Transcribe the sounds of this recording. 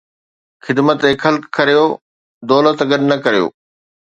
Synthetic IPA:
xɪd̪mət̪ɦɪkxɐlkːɐɾijo | d̪ɔːlət̪ɡɐɗnɐkɐɾijo̰ː

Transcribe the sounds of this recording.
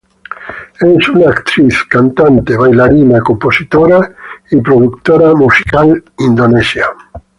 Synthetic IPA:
ɛsunaːkt̪ɾiθkant̪ant̪eβajlaɾinakomposit̪oɾaipɾoðukt̪oɾamusi̥kalind̪onesja

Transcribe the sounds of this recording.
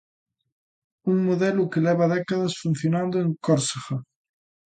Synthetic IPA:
uŋmoðɛlʊkelɛβaðɛkaðɐsfun̟θjonãnd̪oẽŋkoɾsaxa

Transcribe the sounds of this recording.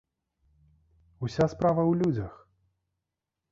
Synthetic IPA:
usʲaspɾavɐwlʲud͡zʲɐx

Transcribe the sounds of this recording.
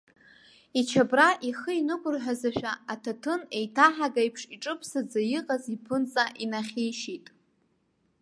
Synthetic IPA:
it͡ʃʰabraʔiχəinɨkʷʼʊrħʷᶣazaʃᶣaatʰatʰɨne̞jtʰaħaɡajpʰʂiʈ͡ʂʼɨpʰsad͡zajiqʼazipʰɨnt͡sʼaʔinaχʲejʃitʼ

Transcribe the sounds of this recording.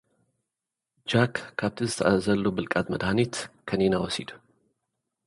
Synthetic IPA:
d͡ʒakkʰːap̚t̪ʰɨzt̪ʰaazəlːobɨlkʼat̪məd̪hanit̪kʰənenawɔsid̪

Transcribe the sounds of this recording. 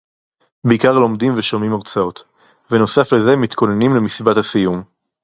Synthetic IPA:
beikaʁlo̞md̪imveʃomimaʁt͡sao̞t̪ | veno̞safleze̞mit̪kʰo̞ne̞nimlemisibathasijum

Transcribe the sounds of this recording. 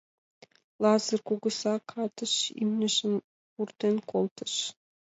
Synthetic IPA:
lˠɑzə̆rkuɣə̆sɑkʰɑt̪ə̆ʃḭmnʲɘ̆ʒə̆m | purt̪enkolˠt̪ə̥̆ʃ

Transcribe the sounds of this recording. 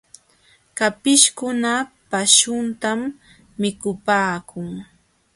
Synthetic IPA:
kapɪʃkʊna | paʃʊnt̪amː | ɪkʊpaːkʊŋ

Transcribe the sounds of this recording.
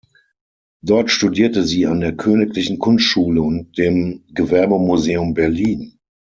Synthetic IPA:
d̥ɔɐtʃtudiːɐtəziːandeːɐkʰøːnɪklɪçn̩kʰʊnstʃuːləʊnt̚d̥eːmɡəvɛɐbəmuzeːʊmbɛɐliːn

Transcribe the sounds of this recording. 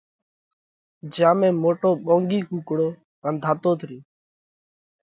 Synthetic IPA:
d͡ʒjãːmẽːmoːʈoːɓõːŋɡiːkuːkɽoː | kənd̪ʱaːt̪oːt̪ʰɾiː

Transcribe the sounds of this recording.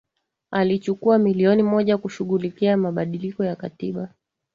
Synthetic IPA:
alit͡ʃukuamiliɔnimɔʄakuʃuɣulikiamaɓaɗilikɔjakatiɓa

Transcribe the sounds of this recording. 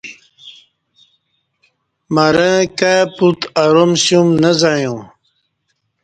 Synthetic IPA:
maɾẽkaput̪aɾomsumnəzajũ

